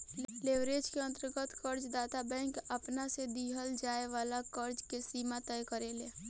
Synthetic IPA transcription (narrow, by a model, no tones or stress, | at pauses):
leːʋɾeːd͡ʒkeə̃nt̪əɾɡət̪kəɾd͡ʒd̪aːt̪abɛ̃ːŋkəpnased̪iːɦəld͡ʒaːeʋaːlakəɾd͡ʒkesiːmat̪ɛjkəɾeːleː